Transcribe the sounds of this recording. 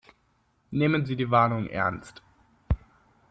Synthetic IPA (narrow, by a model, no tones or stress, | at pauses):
neːmənziːdiːvaɐnʊŋʔɛ̰ɐnst